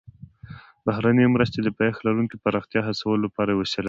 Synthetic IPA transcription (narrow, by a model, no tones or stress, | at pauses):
bahɾanəmɾəst̪ed̪əpaxlaɾuŋkipaɾɑxt̪jɑɦasawəlolapɑɾawəsela